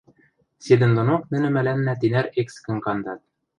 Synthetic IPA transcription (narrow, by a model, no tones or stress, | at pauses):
sʲed̪ɘ̆nd̪ŏnoqnɘ̆nɘ̆mælænːæt̪inæɾekskɘ̆ŋkɑnd̪ɑt̪̚